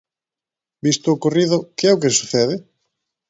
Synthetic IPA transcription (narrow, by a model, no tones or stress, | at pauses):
bist̪ʊːkoriðʊkeɛʊk̬esuθɛðɪ